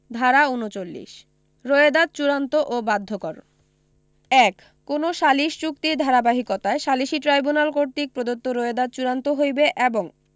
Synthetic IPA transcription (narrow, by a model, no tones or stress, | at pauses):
d̪ʱaɾaunot͡ɕolːḭʃ | ɾoed̪ad̪̚t͡ɕuɾant̪oʔobad̪ʱːokɔɾo | ɛkː | onoʃaliʃt͡ɕukt̪id̪ʱaɾabaɦikot̪aeʃaliʃiʈɾajbunalkoɾt̪ik̚pɾod̪ot̪ːoɾoed̪ad̪̚t͡ɕuɾant̪oɦojbeʔeboŋ